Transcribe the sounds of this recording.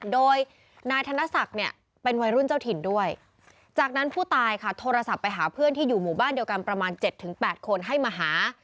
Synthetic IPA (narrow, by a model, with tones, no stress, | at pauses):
doː˧j | naː˧jt̪ʰa˧na˦˥sa˨˩k̚ni˥˩ɐ | pe˧nwa˧jɾu˥˩nt͡ɕaː˥˩t̪ʰi˩˦ndu˥˩əj | t͡ɕaː˨˩k̚na˦˥npʰuː˥˩t̪aː˧jkʰa˥˩t̪ʰoː˧ɾa˧sa˨˩pːa˧jɦaː˩˦pʰɯ˥˩ənt̪iː˥˩juː˨˩muː˨˩baː˥˩ndi˧əwka˧npɾa˧maː˧nt͡ɕe˨˩t̪ʰːɯ˩˦ŋpɛː˨˩t̪̚kʰo˧nɦa˥˩jmaː˧ɦaː˩˦